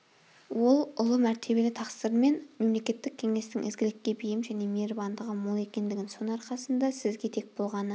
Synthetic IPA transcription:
wo̞lˠʊlˠəmæɾt̪ʰe̞be̞lɪt̪ʰɑqsəɾme̞nme̞mle̞kʲe̞t̪ːɪk̚ʲʰːe̞ŋe̞st̪ɪŋʔɪ̰zɡʲɪlɪkʲːe̞bijɪmʒæne̞meɾbɑnd̪əʁəmolˠe̞kʲe̞nd̪ɪɡʲɪnso̞nɑɾqɑsənd̪ɑsɪzɡʲe̞t̪ʰe̞k̚bo̞lˠʁɑnə

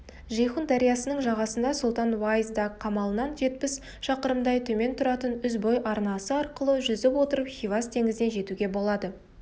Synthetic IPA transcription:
ʒejχund̪ɑɾijɑsənəɴʒɑʁɑsənd̪ɑsʊlˠt̪ɑnwajzd̪ɑkqʰːɑmɑlˠənɑnʒe̞t̪̚pɪs | ʃɑqəɾəmd̪ɑjt̪ʰɵme̞nt̪ʰʊɾɑt̪ənʏzbojʔɑɾnɑsəɑɾqəlˠəʒʏzɪpwo̞t̪əɾəpχʲijvast̪ʰe̞ŋɪzd̪e̞nʒe̞t̪uɡʲe̞bo̞lˠɑd̪ə

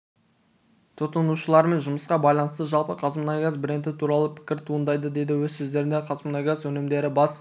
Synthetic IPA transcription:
t̪ʰʊt̪ənuʃəlˠɑɾme̞nʒʊməsqɑbɑjlˠɑnəst̪əʒɑlˠpəqʰɑzmənɑjɡʲazbɪɾent̪ɪt̪ʰuɾɑlˠəpʰɪ̥kʲɪɾt̪ʰuənd̪ɑjd̪əd̪ed̪ɪwɵzsɵzd̪e̞ɾɪnd̪eqʰɑzmənɑjɡʲazwɵnɪmd̪e̞ɾɪbɑs

